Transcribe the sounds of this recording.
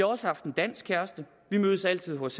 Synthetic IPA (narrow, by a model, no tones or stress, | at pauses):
ɑ̈ɒ̽səhɑ̈fd̥end̥æn̰sɡ̥̚kʰæɐsd̥ə | ʋimøð̞ˠəsæl̰t͡sʰið̞̰ˠɦɒ̽s